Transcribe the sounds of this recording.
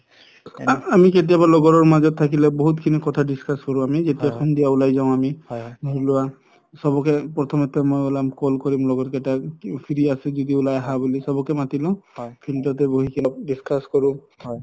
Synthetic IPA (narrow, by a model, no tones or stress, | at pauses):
amiketijabalɔɡɔɹɔɹmazɔt̪ʰːakilɛbɔɦutkʰinikɔtʰadiskʰaskɔɹũamizetijaxundijaulajzaʊ̃amibʱulʊwa | sɔbɔkɛpɹɔt̪ʰɔmɔt̪ɛmojolamkɔlkɔɹimlɔɡɔtkɛtapʰiɹiasɛzɔdiʊlajɦabulisɔbɔkɛmatilɔ̃pʰiltɔtɛboɦikʰil̚diskʰaskɔɹũ